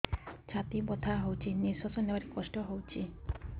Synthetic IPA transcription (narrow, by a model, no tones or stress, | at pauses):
t͡ɕʰat̪ibot̪ʰaɦowt͡ɕʰiniɾsɔsoneaɾikɔʃʈoɦowt͡ɕʰi